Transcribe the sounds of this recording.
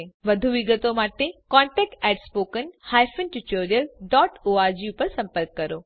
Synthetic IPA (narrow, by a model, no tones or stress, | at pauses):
ʋəd̪ʱuʋiɡət̪omaʈekɔ̃ɳʈɛk̚ʈɛʈspoːkənhajfənʈuʈoɾijəlɖɔʈoaɾd͡ʒiupəɾsə̃mpəɾkːəɾo